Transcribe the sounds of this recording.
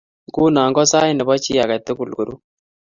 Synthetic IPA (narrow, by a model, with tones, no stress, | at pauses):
ku˦na˨ŋɡɔ˦sa˦jnɛ˨bɔ˦t͡ʃi˦ja˨kɛ˨t̪ːu˦ku˨lɡu˨ɾu˦